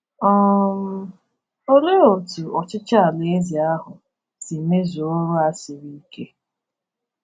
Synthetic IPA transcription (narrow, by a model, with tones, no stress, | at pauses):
ɔ˦m̩˦ | o˦le˦o˨tu˨ɔ˨t͡ʃɪ˦t͡ʃa˦a˨le˦zi˨a˦ɦʊ˨ | si˨me˦zo˨o˦ɾʊ˦a˦sɪ˨ɾi˦ke˦